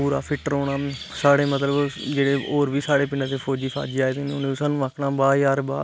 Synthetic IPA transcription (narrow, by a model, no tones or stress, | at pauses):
uːɾa̰ːpʰɪʈəɾoːɽaː | saːɽeːmət̪ləbd͡ʒeːɽeːoːɾʋiːsaːɽeːpɪnãːt̪eːpʰoːd͡ʒiːpʰa̰ːd͡ʒiːaːet̪ẽːnʊnẽːsaːnũːaːkʰɳaːbaːjaːɾba̰ː